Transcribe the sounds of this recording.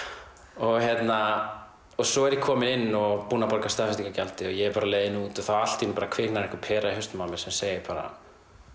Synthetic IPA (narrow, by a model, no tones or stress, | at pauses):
ɔɣɦɛt̪na | ɔsɔɛɾjɛkʰɔːmɪnɪnːɔɣpuːnapɔɾkḁst̪aːfɪst̪ikacalt̪ɪɔjɛɛɾpaːɾaleːjðɪnuːt̪ɔθaal̥t̪inpaːɾakʰvɪːknaɾɛhkʏɾpʰɛːɾaiɦʏst̪mawmɪ̥sɛmseːjɪpaːɾa̰